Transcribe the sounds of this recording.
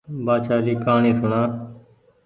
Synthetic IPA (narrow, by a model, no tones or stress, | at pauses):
baːʃaːɾiːkaːɳĩːsʊɳaː